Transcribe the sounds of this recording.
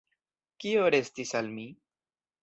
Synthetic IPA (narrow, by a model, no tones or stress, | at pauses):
kioɾe̞stisalmi